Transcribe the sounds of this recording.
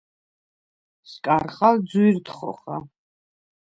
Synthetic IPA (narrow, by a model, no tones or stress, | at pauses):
skʼaɾχald̪zwiɾt̪χɔ̰χa